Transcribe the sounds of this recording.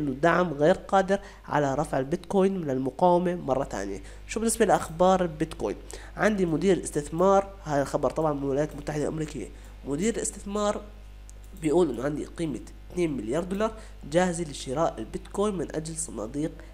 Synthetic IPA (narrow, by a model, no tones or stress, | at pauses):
ʔɪnːʊd̪aʕmɣeːɾqɑːd̪ɪɾ | ʕa̰laɾˤɑfʕɪlbɪt̪koːjnmɪnɪlmʊqɑːwɪmamɑrˤːɑt̪a̰ːnɪja̰ | ʃubɪnːɪsbalɪʔaxbɑːɾˤlbɪt̪ko̰ːjn | ʕand̪imʊd̪iːɾɪlʔɪst̪ɪθmɑːɾˤ | haːðalxɑbɑɾˤt̪ˤɑbʕɑnmɪlwɪlajaːt̪lmʊt̪ːaħɪd̪alʔamɾiːkɪjːa̰ | mʊd̪iːɾɪlʔɪst̪ɪθmɑːɾˤ | bɪjʔuːlʔɪnːʊʕand̪ḭqiːma | t̪neːnmɪljɑːɾˤd̪ʊːlɑɾˤ | d͡ʒaːhɪzilɪʃɪɾaːʔɪlbɪt̪koːjnmɪnʔad͡ʒlsˤɑnɑ̰ːd̪iːq